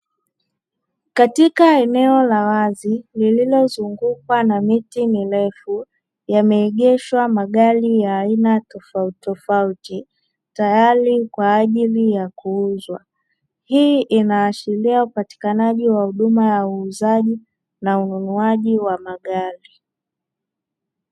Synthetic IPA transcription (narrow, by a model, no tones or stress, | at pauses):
katikaɛnɛɔlawazilililɔzuŋɡukwanamitimilɛfu | jamɛːɠɛʃwamaɠalijaːinatɔfautɔfauti | tajaɾikwaːʄilijakuuzwa | hiːʔinaːʃiliaupati̥kanaʄiwahuɗumajauːzaʄi | naununuaʄiwamaɠali